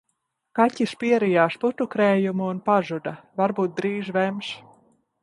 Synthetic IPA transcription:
kacʲispiɛɾijaːʃput̪ukɾɛːjumuːnpaʒud̪avaɾbuːt̪̚d̪ɾiːʒvɛms

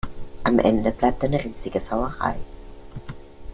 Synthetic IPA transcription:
ʔamʔɛ̰ndəb̥laɪp̚tanəʁiːz̥ɪɡəsaʊɐʁa̰ɪ

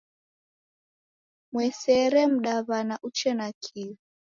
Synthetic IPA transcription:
mwɛsɛɾɛm̩ɗaβanaʔut͡ʃɛnakʰiβi

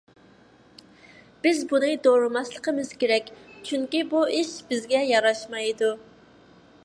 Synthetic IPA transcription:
b̥ɪzbunɨd̪oɾɨmɑslˠəqʰəmɨz̥kʲeɾɛkʲt͡ʃʰyŋkʲibuɪʃb̥ɪzɡʲɛjɑɾɑʃmɑjd̪u

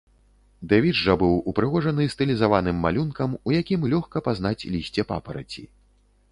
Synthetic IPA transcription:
d̪avʲiʐɐbɨwupɾɨɣɔʐɐnɨst̪ɨlʲizavanɨmːa̰lʲunkɐmujakʲimlʲɔxkɐpazn̪at͡sʲlʲisʲt͡sʲɛpa̰pɐɾɐ̰t͡sʲḭ

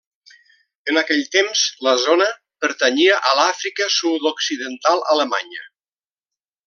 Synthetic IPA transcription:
ənəkɛʎt̪emzləzonə | pəɾt̪əɲiəʔəlafɾikəsud̪oksiðənt̪alˠələma̰ɲə̰

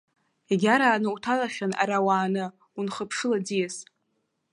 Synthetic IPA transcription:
eɡʲaɾaːnɨutʰalaχʲana̰ɾawaːnɨ | unχəpʰʂɨlad͡zijes

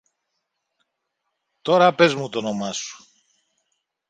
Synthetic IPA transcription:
t̪o̞ɾɐpe̞zmut̪o̞no̞mɐsu̥

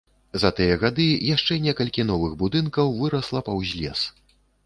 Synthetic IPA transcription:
zɐt̪ɨjɐɣad̪ɨjaʂt͡ʂɛnʲɛkɐlʲkʲinɔvɨɣbud̪ɨnkɐwvɨɾɐslˠɐpɐwzʲlʲɛ̰s

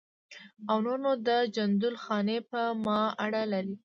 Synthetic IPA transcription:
awnonod̪əd͡ʒand̪ʊlxɑnepəmɑaɽalaɾi

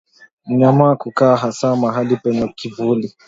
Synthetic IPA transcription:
m̩ɲamakukaɦasamaɦalipɛɲakivuli

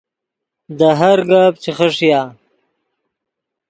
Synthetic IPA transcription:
d̪əɦaɾɡap̚t͡ʃexəʂijaː

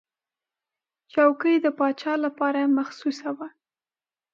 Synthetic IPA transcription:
t͡ʃawkəjd̪əpɑt͡ʃɑlapɑɾamaxsusawa

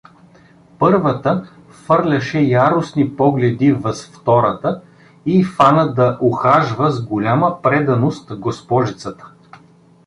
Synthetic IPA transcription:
pɤɾvət̪ə | fɤɾlʲɐʃɛjaɾʊsnipɔɡlɛd̪ivəsft̪ɔɾət̪ə | ifanəd̪ɐʔoxaʒvəzɡolʲaməpɾɛd̪ɐnost̪ɡospɔʒit̪sət̪ə̥

